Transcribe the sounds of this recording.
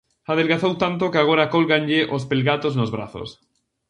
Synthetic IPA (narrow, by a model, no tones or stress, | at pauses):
að̞elɣaθowt̪ant̪̬okeaɣ̞oɾakolɣanʎeʔospelɣat̪oznozβɾa̰θo̰s